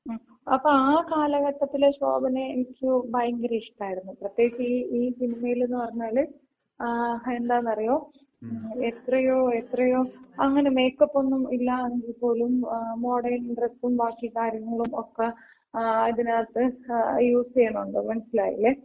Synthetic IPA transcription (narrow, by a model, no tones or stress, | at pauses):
ɐpːoːaːkaːlɐɣɐʈːɐt̪ːileɕo̰ːbɐneːnikʲːubɐjŋɡɐɾeːʂʈaːjiɾunːuprɐt̪je̞ːɡit͡ɕːɨiiːsinimɐjile̞nːɨpɐrɐɲːaːlɨ | e̞nd̪aːnːɐrɐjo̞ː | et̪rɐjoːe̞t̪rɐjo̞ːɐŋːɐne̞me̞ːkːɐpːo̞nːumilːɐenɡilpːo̞ːlumːo̞ːɽɐɾniɳɖresʈumbaːkːikaːɾjɐŋːɐɭumokːe | iðinaːt̪ːɨjuːsikːɐnːuɳɖɨmɐnɐsila̰ːjḭlːe